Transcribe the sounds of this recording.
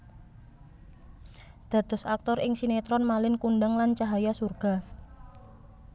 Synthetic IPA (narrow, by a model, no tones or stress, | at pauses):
d̪̥a̤t̪ʊsak̚t̪ɔrʔɪŋsinet̪ɾɔnmalɪnkunɖəŋlant͡ʃaɦajasurɡ̥a̤